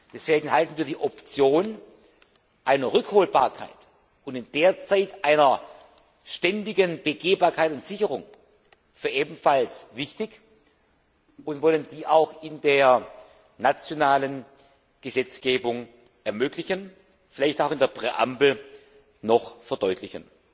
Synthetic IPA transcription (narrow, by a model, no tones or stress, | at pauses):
d̥ɛsv̥eːɡŋ̩ɦaltn̩viːɐdiːʔɔpt͡sjoːn | ʔaɪnɐʁʏkhoːlba̰ːɐkʰa̰ɪt | ʔʊntɪnd̥eːɐt͡saɪtʔaɪnɐ | ʃtɛndɪɡənbəɡeːbaːɐkʰaɪtʊntz̥ɪçəʁʊŋ | fyːɐʔeːbm̩falsvɪçtɪç | ʊntvɔləndiːʔaʊxɪndeːɐ | nat͡sjonaːlən | ɡ̥əzɛt͡sɡ̥eːbʊŋ | ʔɛɐmøːklɪçən | fɪlaɪçtaʊxɪndeːɐpʁ̥ɛʔa̰mbl̩ | nɔχfɛɐdɔʏtʰlɪçən